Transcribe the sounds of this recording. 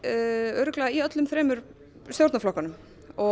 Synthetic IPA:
œɥɾʏklɛːaiœt̪lʏmfɾɛːmʏɾ̥ | sjowɾt̪naflɔkanʏm | ɔ

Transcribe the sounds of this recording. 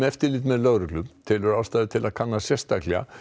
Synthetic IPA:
ɛft̪ɪɾlɪːt̪̬mɛðlœɣɾʏklʏmt̪ʰɪlʏɾaːwst̪aːjðɪt̪ʰɪlaðkʰanːasjɛst̪aklɛɣa̰

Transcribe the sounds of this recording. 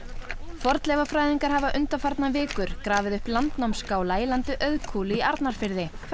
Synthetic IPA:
fɔɾt̪lɛvafɾaːjðiŋkaɾ̥ɦavaʔʏnt̪afaɾt̪navɪːkʏɾ̥kɾaːvɪðʏhplant̪nawmskaːwlailant̪ʏʔœðkʰuːlɪiaɾt̪naɾ̥fɪɾðɪ

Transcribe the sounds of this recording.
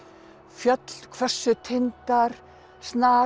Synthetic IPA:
fjœt̪l̥kʰvɛr̥sːʏt̪ʰɪnt̪aɾ̥ | snaː

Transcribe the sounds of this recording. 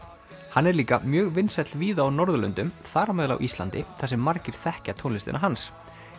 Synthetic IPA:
hanːɛɾliːkamjœːɣvɪnsɛt̪lviːðaːwnɔɾðʏlʏ̰nt̪ʏmθaːɾamɛːðɪla̰wʔist̪lant̪ɪθasɛmːaɾcɪɾ̥θɛhcat̪ʰownlɪst̪ɪ̰naɦans

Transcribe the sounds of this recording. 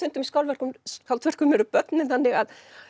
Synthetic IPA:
ʏnt̪ʏmiskawlvɛr̥kʏmkawlt̪vɛr̥kʏmɛɾʏpœt̪nɪθanːɪɣað

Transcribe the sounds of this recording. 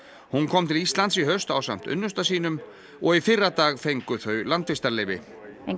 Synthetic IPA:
hunkʰɔmt̪ʰɪlist̪lant̪siɦœst̪aːwsa̰m̥t̪ʏ̰nːʏst̪asiːnʏm | ɔɣifɪrːat̪aːɣfejŋkʏθœɥlant̪fɪst̪aɾlejvɪ

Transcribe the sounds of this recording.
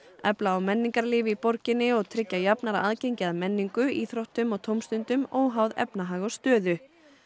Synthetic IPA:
ɛplaːwmɛnːiŋkaɾlɪːvɪipoɾcɪnɪɔɣt̪ʰɾɪcːajapnaɾa̰ʔaːðcejɲcɪaðmɛnːiŋkʏiθɾowht̪ʏmɔɣt̪ʰoːwmst̪ʏnt̪ʏmoːwɦawðɛ̰pnaɦaːɣɔst̪œːðʏ

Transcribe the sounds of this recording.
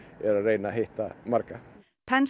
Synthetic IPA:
ɛɾaɾejnaɦeht̪amaɾka | pʰɛns

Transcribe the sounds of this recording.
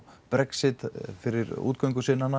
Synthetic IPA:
pɾɛksɪt̪fɪɾɪɾṵːt̪̚kœɥjŋkʏsɪnana

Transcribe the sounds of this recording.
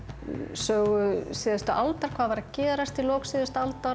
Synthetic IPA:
sœːɣʏsiːðʏst̪ʏʔalt̪aɾ̥kʰvaːðvaɾacɛːðɾast̪ilɔːksɪðʏst̪alt̪a

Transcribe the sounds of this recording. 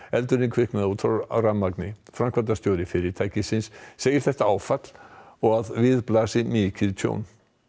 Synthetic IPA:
ɛlt̪ʏɾɪnkʰvɪhknaðut̪ʰɔa̰ramːaknɪfɾamkvant̪ast̪joːwɾɪfɪɾɪt̪ʰaːjcɪsɪnsːeːjɪɾ̥θɛht̪aaːwfat̪l̥ɔɣaðvɪðplaːsɪmɪcɪðt̪ʰjo̰ːwn

